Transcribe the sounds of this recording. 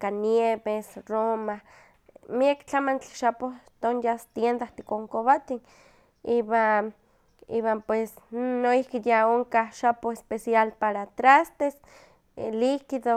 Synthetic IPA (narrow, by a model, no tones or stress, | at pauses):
kanjeβesroma | miakt͡ɬamant͡ɬi̥ʃapot̪onjast̪jend̪aht̪i̥koŋkoβat̪i | iβa | ḭβampwesnoihkijaoŋkaʃapoespesjalpaɾat̪ɾast̪es | likiðo